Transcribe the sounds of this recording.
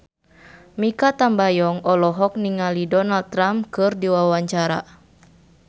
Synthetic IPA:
mikat̪ambajɔŋɔlɔɦɔk̚niŋalidɔnald̪̚t̪ːɾamkɨrdiwawaɲt͡ʃaɾa̰

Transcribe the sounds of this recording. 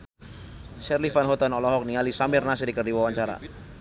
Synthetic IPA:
ʃɛrlifanɦɔt̪anɔlɔɦɔk̚nialisamɪrnasdikərdiwawaɲt͡ʃaɾa̰

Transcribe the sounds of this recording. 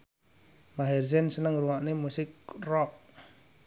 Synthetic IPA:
maɦɛrsɛnsənəŋruwaʔnemusɪk̚rɔp̚

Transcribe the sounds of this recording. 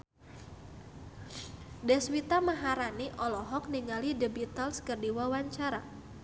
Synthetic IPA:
dɛswit̪amaɦaɾaniʔɔlɔɦɔk̚niŋalidəbit̪alskərdiwawaɲt͡ʃaɾa

